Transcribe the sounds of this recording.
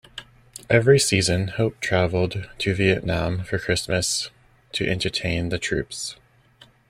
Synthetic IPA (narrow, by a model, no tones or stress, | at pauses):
ʔɛvɹisizɨ̃nhoʊp̚tʰɹ̥ævl̩ˠdtʰɨviɨʔⁿnæ̃ɱfə˞kʰɹ̥ɪsmɨs | tʰɨʔɛ̃ntʰə˞tʰẽɪ̃nðɨtʰɹ̥ʉ̰ps